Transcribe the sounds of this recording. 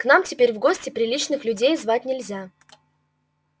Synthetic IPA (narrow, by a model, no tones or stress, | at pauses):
knamtʲɪpʲeɾʲvɡo̞sʲtʲɪpɾʲɪlʲit͡ɕnɨxlʲʉdʲejzvatʲnʲɪlʲzʲa